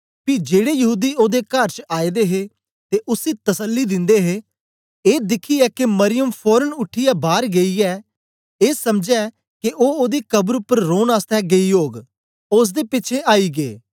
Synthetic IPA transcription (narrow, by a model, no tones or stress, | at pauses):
piːd͡ʒeːɽeːjəɦuːd̪iːoːd̪eːkəɾt͡ʃaːid̪eːɦe | t̪eːʔʊsiːt̪əsəlːid̪ɪ̃nd̪eːɦeː | eːd̪ɪkʰːiɛːkeməɾɪjəmpʰɔːɾənʊʈʰːɪjaːbaːɾɡɐiːɛː | eːsəmd͡ʒɛː | keʔoːoːd̪ikəbɾʊpːəɾːoːnaːst̪ʰɛːɡeiːɦoːɡ | ʊs̬d̪eːpɪːt͡ʃʰeʔaːiːɡeː